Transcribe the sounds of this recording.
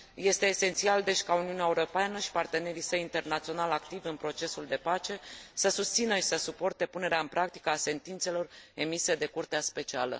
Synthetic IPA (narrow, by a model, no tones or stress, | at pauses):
je̞st̪e̞ːse̞nt̪siald̪e̞ʃʲkauniuneaeuɾo̞peanəʃi̥part̪e̞ne̞ɾisəjint̪e̞rnat̪sio̞nalakt̪ivɨnpɾo̞t͡ʃe̞suld̪e̞pat͡ʃe̞səsust̪sinəʃi̥səsupo̞rt̪e̞pune̞ɾeaɨnpɾʔak̚t̪i̥kəase̞nt̪int̪se̞lo̞re̞mise̞d̪e̞kurt̪easpe̞t͡ʃialə̰